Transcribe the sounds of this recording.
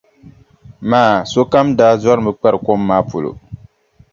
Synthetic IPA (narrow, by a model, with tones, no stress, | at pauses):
maː˨˦˨so˦ka˦mdaː˦za˦ɾɨ˨mɨ˨k͡pɛ˦ɾɨ˨ko˦mːaː˦po˨lo̰˨